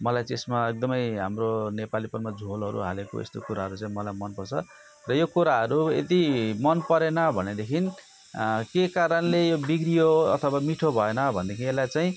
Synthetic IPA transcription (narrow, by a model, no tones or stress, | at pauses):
mʌlajt͡sesmaek̚d̪ʌmʌjɦamronepalipʌnmad͡zʱolʌɾṵɦa̰leko̰ḛst̪o̰kuɾaɦʌɾut͡sãĩmʌlajmʌnpʌrt͡sʰʌ | rʌjokuɾaɦʌɾuḛt̪imʌnpʌɾenʌbʱʌned̪ekʰin | kekaɾʌnlejobiɡrioʌ̰t̪ʰʌwamiʈʰobʱʌenʌbʱʌnd̪ekʰiĩelajt͡saĩ